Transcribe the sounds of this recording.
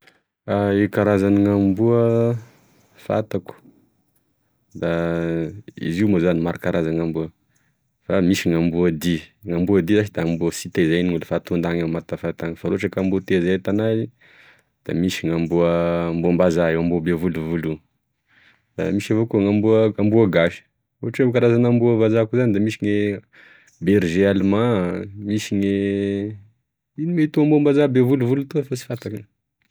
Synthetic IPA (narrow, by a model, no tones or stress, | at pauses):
aekaɾazaniŋambuə | fa̰t̪aku̥ | d̪a | ḭziumozanimaɾakaɾʔazaŋambuə | famiʃiŋambuəd̪iŋambuəd̪izaʃid̪ambuəsit̪ezajniŋulufat̪und̪aŋamat̪afat̪aŋəfaɾoʈ͡ʂakambut̪ezat̪anaji | d̪̥a̰miʃiŋambuəːmbumbazaewambuəbevuluvulu | d̪̥a̰miʃavokuŋambuəambuəɡaʃi̥ | oɦaʈ͡ʂebkaɾazanambuəvazakuzanid̪amiʃiŋe | beɾʒealumãmiʃiŋe | inimet̪uambuambazabevuluvulut̪uafasi̥fat̪akə